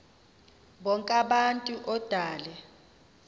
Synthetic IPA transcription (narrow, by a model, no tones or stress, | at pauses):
ɓɔŋkʼaɓantʼuʔɔd̥ʱaːlɛ